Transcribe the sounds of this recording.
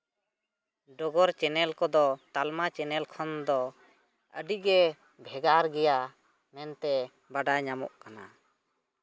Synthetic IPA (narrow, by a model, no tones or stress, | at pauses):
ɖɔɡɔɾt͡ʃɛnɛlkɔd̪ɔt̪almat͡ʃɛnɛlkʰɔnd̪ɔ | əɖiɡɛ | bʱɛɡaɾɡɛja | mɛnt̪ɛ | baɖajɲamɔ̰ʔkana